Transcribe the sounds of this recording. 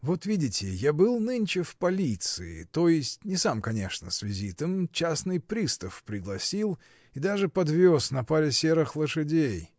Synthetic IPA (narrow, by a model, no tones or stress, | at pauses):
vo̞t̪vʲidʲɪtʲɪjabɨlˠnɨnʲt͡ɕɪfpɐlʲit̪sɨɪ̰t̪o̞jɪsʲtʲnʲɪsamkɐnʲe̞ʂnə̰svʲɪzʲit̪əmt͡ɕasnɨjpɾʲist̪əfpɾʲɪɡlˠɐsʲilˠ | id̪aʐɨpɐd̪vʲosnɐpaɾʲɪsʲe̞ɾɨxlˠəʂɨdʲej